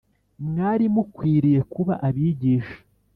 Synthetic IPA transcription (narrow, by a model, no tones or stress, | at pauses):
mŋaːɾimukwiːɾije̞kuβa̰ʔaβiːɟiːʃḁ